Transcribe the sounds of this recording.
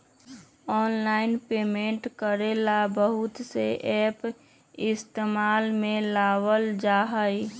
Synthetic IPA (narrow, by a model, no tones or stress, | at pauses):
ɔːnlaːɪnpeːmẽɳʈkəɾelabəɦʊt̪seʔɛːp | ɪst̪eːmaːlmẽlaːwəld͡ʒaːɦəi